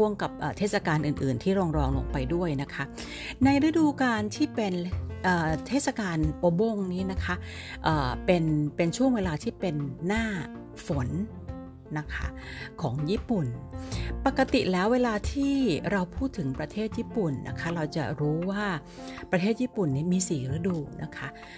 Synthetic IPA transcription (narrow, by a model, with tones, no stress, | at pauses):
u˥˩əŋka˨˩p̚ʔəː˨˩t̪ʰeː˥˩t̪̚sa˧kaː˧nʔɯː˨˩nʔɯː˨˩nt̪ʰiː˥˩ɾɔː˧ŋɾɔː˧ŋlo̰˧ŋpa˧jdu˥˩əjna˦˥kʰa˦˥ | na˧jɾa˦˥duː˧kaː˧nt̪ʰiː˥˩pe˧nʔəː˨˩t̪ʰeː˥˩t̪̚sa˧kaː˧nʔoː˧bo˧ŋniː˦˥na˦˥kʰa˦˥ʔ | ʔɤː˨˩pe˧npe˧nt͡ɕʰu˥˩əŋweː˧laː˧t̪ʰiː˥˩pe˧nːaː˥˩ | fo˩˦nː | a˦˥kʰa̰˦˥kʰɔ̰ː˩˦ŋjiː˥˩pu˨˩npa˨˩kːa˧t̪i˨˩lɛː˦˥wːeː˧laː˧t̪ʰiː˥˩ɾa˧wpʰuː˥˩t̪ʰːɯ˩˦ŋpɾa˧t̪ʰeː˥˩t̪̚jiː˥˩pu˨˩nːa̰˦˥kʰa˦˥ɾa˧wt͡ɕa̰˨˩ɾuː˦˥waː˥˩ | pɾa˧t̪ʰeː˥˩t̪̚jiː˥˩pu˨˩nːiː˦˥miː˧siː˨˩ɾɯ˦˥duː˧nʔa˦˥kʰa˦˥ʔ